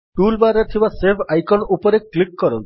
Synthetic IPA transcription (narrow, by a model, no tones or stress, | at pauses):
ʈulbaɾɔt̪ʰibasebʰʱajkɔnupɔɾeklikːɔɾɔ̰nt̪ʰi